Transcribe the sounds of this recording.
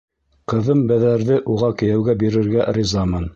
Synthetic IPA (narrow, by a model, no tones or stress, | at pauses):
qɤ̆ðɤmbæðæɾðɘʔuʁɑkɘ̆jæwɡæbiɾɘ̆ɾɡæʔɾʲizɑmɤn